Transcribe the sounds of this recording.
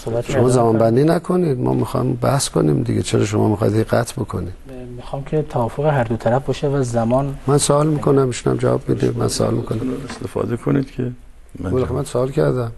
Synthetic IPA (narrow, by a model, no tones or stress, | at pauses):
sobæt̪ʃomɒːzæmɒːnbænd̪iːnækʰonid̪mɒ̰ːmixɒ̰jmbæhsko̞niːmd̪iɡet͡ʃʰeɾɒːʃ̬omɒ̰ːmixɒ̰jd̪eɣæt̪ʰbokʰonid̥̪mixɑːmcʲʰet̪ʰævɒːfoɣeɦæɾd̪ot̪ʰæɾæfbɒʃevæzzæmɒːnmænsoɒlmiːkʰonæmiʃunæ̰md͡ʒævɒ̰ːbmid̪ḭmænsoʔɒ̰ːlmikʰonæmest̪efɒ̰ːd̪ekʰonid̪̥kʰe | bolxemænsoɑːlcʰæɾd̪æm